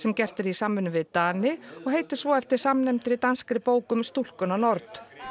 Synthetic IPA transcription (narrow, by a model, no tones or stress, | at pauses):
sɛmcɛr̥t̪ɪɾisaːmːʏnːʏvɪðt̪aːnɪɔɣɦeːjt̪ɪɾ̥svɔɛft̪ɪɾ̥samnɛmt̪ɪɾit̪anskɾɪpoːwkʏmst̪ul̥kʏnanɔɾt̪